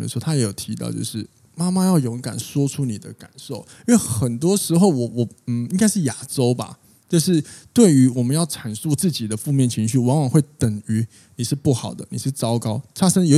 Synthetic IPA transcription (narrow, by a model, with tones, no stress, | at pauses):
lə̰˧˩˧t̪ʰa˥jɛ˧˦˥jo˨˩ʊt̪ʰi˧t̪ɑ̰˥˧ʊt͡ɕjo̰˥˧ʊʂɻ̩˥˩ | ma˥ma˧jɑ˥˩ʊjo˧˦˧ŋka̰˨˩nʂwɔ˥ʈ͡ʂʰu˥ni˨˩d̪ə̰˦ka̰˨˩nʂo˥˩ʊ˥we˥˨˩ɪxə˨˩nt̪̬wɔ˥ʂɻ̩˧˥xo˥˩ʊwɔ˨˩wɔ˨˩ | n̩˨˩i˥ŋka˥ɪʂɻ̩˥˩ja˨˩ʈ͡ʂo˥ʊba̰˨ | t͡ɕo˥˧ʊʂ̬ɻ̩˥˧t̪we˥˩ɪy˧˥wɔ˨˩mə˦njɑ˥˩ʊʈ͡ʂʰa˨˩nsu˥˧t͡sɹ̩˥˩t͡ɕi˨˩d̪ə˦fu˥˧mjɛ˥˩nt͡ɕʰi˧˥ŋɕy˥˩wɑ˧˥ŋwɑ˨˩ŋwe˥˩ɪt̪ə˨˩ŋy˧˥˦ | ni˨˩ʂɻ̩˥˧pu˥˩xɑ˨˩ʊd̪ə̰˦nḭ˨˩ʂ̩˥˩t͡sɑ˥ʊkɑ˥ʊt͡ɕʰa˥ʂə˥ŋjo˧˥